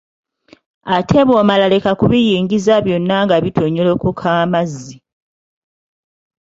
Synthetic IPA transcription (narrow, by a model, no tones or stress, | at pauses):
atʰe̞βo̞ːmalale̞kakuβijiːŋɡizaβjo̞nːaŋɡaβitʰoɲːolo̞kukʰaːmazːi